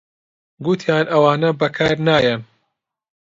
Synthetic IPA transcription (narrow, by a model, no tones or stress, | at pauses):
ɡut̪ʰjaːnʔɐwaːnɐbɐkʰaːɾnaːjɐ